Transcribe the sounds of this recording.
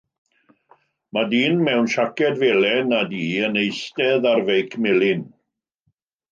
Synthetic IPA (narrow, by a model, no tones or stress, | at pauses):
madiːnmɛwnʃakʰɛdvelɛnadiːənejstɛðarvejkʰmɪlɪn